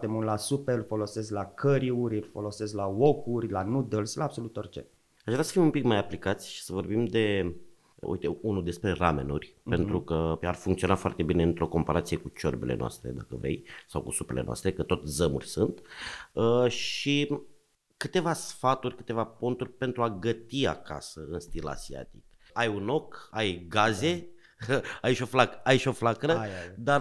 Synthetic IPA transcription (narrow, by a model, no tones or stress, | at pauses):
t̪emult̪lasupelfo̞lo̞sesklakʰəɾiuɾʲɨlfolo̞sesklawokurʲlanud̪əlslaːbso̞lut̪orʲt͡ʃḛ | aʃʒvɾasə̥fimumpikmajaplikat̪sʲʃi̥səvo̞rbimd̪e̞ | ṵjt̪eunud̪e̞spɾe̞rame̞̰nurʲpe̞nt̪ɾukəarfuŋkt̪sio̞nafoart̪e̞bine̞ɨnt̪ɾo̞ko̞mpaɾʔat̪sijekut͡ʃo̞̰rbe̞lenoa̰st̪ɾe̞̰d̪a̰kəvḛjsawkusupe̞le̞̰noa̰st̪ɾe̞kət̪o̞t̪zəmurʲsunt̪əʃi | kɨt̪e̞vasfat̪urʲkɨ̥t̪e̞vapo̞nt̪urʲpe̞nt̪ɾuaɡət̪ia̰ka̰səɨnst̪ila̰zia̰t̪ik̚ | ajuno̞kajɡaze̞ | aiʃo̞flakəajiʃo̞flakɾəd̪a